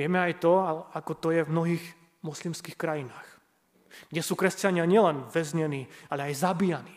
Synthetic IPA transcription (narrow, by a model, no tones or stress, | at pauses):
ɪɛmɛajt̪ɔaakɔt̪ɔjɛvmnɔɦiːx | mɔslimskiːxkɾajinaːx | ɡɟɛsuːkɾɛscaɲɪaɲɪɛlɛnʋɛzɲɛniːalɛajzabiːjaniː